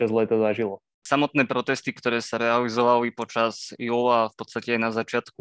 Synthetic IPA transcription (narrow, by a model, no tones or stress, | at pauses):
azlɛt̪azaʒilɔ | samɔt̪nɛːpɾɔt̪ɛst̪ikt̪ɔɾɛːsaɾɛalizɔʋalipɔt͡ʃazjuːlafpɔt̪st̪acɛajnazat͡ʃɪat̪ku